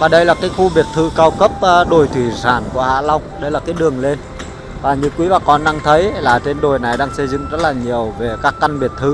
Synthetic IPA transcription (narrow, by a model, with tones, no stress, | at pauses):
vaː˨˩ɗə˧jlaː˨˩kaː˨˦jxu˧ɓi˨˩ət̚t̪ʰɨ˧kaː˧wkə˦˥p̚ːɗo˨˩jt̪ʰwi˧˩zaː˧˩nku˧˩əha̰ː˧˥la˧wŋ͡mɗə˧jlaː˨˩kaː˨˦jɗɨ˨˩əŋle˧n | vaː˨˩ɲɨ̰˧˥kwi˨˦vaː˨˩kɔ˧nɗaː˧ŋt̪ʰə˨˦jlaː˨˩t͡ɕe˧nɗo˨˩jna˨˩jɗaː˧ŋsə˧jzɨ̰˧˨ŋ͡mzə˦˥t̚laː˨˩ɲi˨˩əwve˨˩kaː˦˥kːa˧jŋɓi˨˩ət̚t̪ʰɨ˧